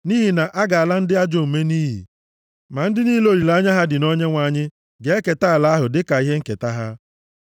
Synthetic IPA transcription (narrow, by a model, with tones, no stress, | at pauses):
ni˦ɦi˨na˨ʔa˦ɡa˨a˨la˦n̩˦dɪ˦a˦d͡ʒo˦m̩˨me˦niː˦ɦḭ˨ | ma˨n̩˦dɪ˦ni˦lo˨ɾi˨la˦ɲa˦ɦa˦dɪ˨no˦ɲe˦ŋʷa˨ɲɪ˦ | ɡe˦ke˨ta˦a˨la˦ɦʊ˨dɪ˦ka˨i˦ɦe˦ŋ̩˦ke˨ta˦ɦa˦